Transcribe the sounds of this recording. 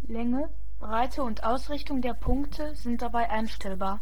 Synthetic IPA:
lɛŋə | b̥ʁaɪtʰəʊntʔaʊsʁɪçtʊŋdeːɐpʰʊŋktʰəzɪnt̚d̥abaɪʔaɪnʃtʰɛlbaːɐ

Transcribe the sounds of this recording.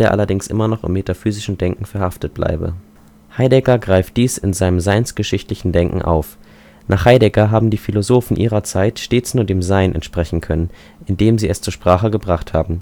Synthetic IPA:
eːɐʔa̰lɐdɪŋsʔɪ̰mɐnɔχɪ̰mːetafyːzɪʃn̩dɛŋkŋ̩fɛɐhaftət̚b̥lʔa̰ɪbə̰ | haɪdɛɡɐɡʁaɪft̚d̥iːsɪnzaɪnəmzaɪnsɡ̥əʃɪçtlɪçn̩dɛŋkŋ̩ʔa̰ʊf | nʔaːχhaɪdɛɡɐɦaːbm̩diːfilozoːfn̩ʔiːʁɐt͡saɪtʃteːt͡snuːɐdeːmzaɪnʔɛ̰ntʃpʁ̥ɛçn̩kʰœnən | ʔɪndeːmziːɛst͡suːɐʃpʁ̥aːχəɡəbʁaχthaːbm̩

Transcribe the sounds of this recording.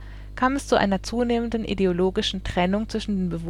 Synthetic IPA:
kʰaːmɛst͡suʔa̰ɪnɐt͡suːneːməndən̩ʔḭdeoloːɡɪʃn̩tʁ̥ɛnʊŋt͡sv̥ɪʃn̩deːnbəv

